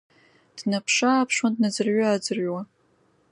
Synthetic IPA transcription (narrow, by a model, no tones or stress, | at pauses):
d̥napʰʂaːpʰʂwandnad͡zɨrɥʊad͡zɨrʕwa